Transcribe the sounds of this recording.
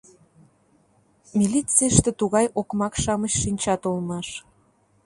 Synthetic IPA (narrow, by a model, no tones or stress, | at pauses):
mʲilʲit͡sijəʃt̪ĕt̪uɣɑjokmɑkʃɑməɕʃinʲt͡ɕɑt̪olmɑʃ